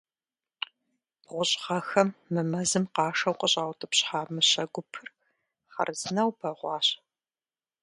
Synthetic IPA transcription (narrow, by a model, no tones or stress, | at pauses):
ʁʷʊɕʼʁɐxɐmːɨmɐzɨmqɑːʂɐwqʼəɕʼaːwtʰɨpɕħaːmɨɕɐɡʷʊpʰɨr | χɐ̰rzɨnɐwpʰɐʁʷɑːɕ